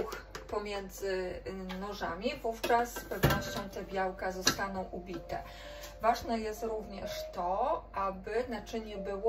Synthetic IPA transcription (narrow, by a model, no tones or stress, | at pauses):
xpɔmʲjɛnd̪zɘnɔʐamʲivuft͡ʂasːpɛvnɔɕt͡ɕɔ̃w̃t̪ɛbʲjawkazɔst̪anɔ̃w̃ʔubʲit̪ɛ | vaʐnɛjɛst̪ɾuvɲɛʂt̪ɔʔabɘnat͡ʂɘɲɛbɘwɔ